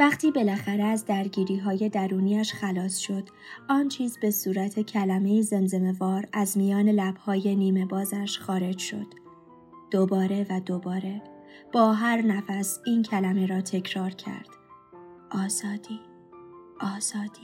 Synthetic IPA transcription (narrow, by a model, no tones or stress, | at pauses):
væχt̪ʰiːbe̞læxæɾeæzd̪æɾɟiːɾiːɦɒːje̞d̪æɾuːniːæʃxælɒːsʃo̞d̪̥ | ɒːnt͡ʃʰiːzbe̞suːɾæt̪ʰe̞cʰælæme̞jize̞nze̞me̞vɒːɾæzmijɒːne̞læb̥hɒːje̞niːme̞bɒːzæʃxɒːɾe̞d͡ʒʃo̞̰d̪̥ | d̪̥obɒːɾe̞væd̪obɒːɾe̞ | b̥ɒːɦæɾnæfæsiːncʰælæme̞ɾɒːt̪ʰe̞cʰɾɒːɾcʰæ̰ɾd̪̥ | ʔɒːz̥ɒːd̪̥iː | ʔɒːz̥ɒːd̪̥i